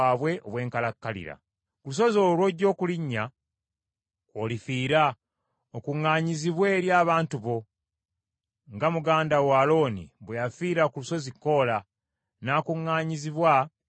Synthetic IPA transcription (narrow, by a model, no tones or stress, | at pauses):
aːβwe̞ʔo̰βwe̞ːŋkalakːalḭɾa̰ | kulus̬o̞zolwoɟːo̞ːkuliɲːa | olifiːɾa | okuŋːaːɲiziβwe̞ːɾjaːβaːntuβo̞ | ŋɡamuɡaːndawaːlo̞ːnḭβwejafiːɾakuluso̞zikːo̞la | naːkuŋːaːɲiziβwa